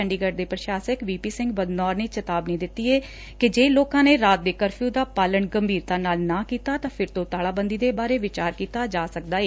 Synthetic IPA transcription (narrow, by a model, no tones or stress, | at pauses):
ɛ̃ɳɖiːɡəɖ̚d̪eːpɾəʃaːsəkʋiːpiːsɪ̃ŋɡbəd̪nɔːɾneːt͡ʃət̪aːbnẽːd̪ɪt̪ːiːɛː | kɪd͡ʒeːloːkãːneːɾaːt̪̚d̪eːkəɾpʰjũːd̪aːpaːləɳɡəmbʱiːɾt̪aːnaːlnãːkiːt̪aːt̪ãːpʰɪɾt̪õːt̪aːlaːbənd̪iːd̪eːbaːɾeːʋɪt͡ʃaːɾkiːt̪aːd͡ʒaːsəkd̪aːeː